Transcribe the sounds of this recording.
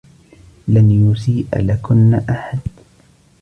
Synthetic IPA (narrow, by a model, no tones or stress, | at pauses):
lanjʊsiːʔa̰lakʊnːaʔaħad̪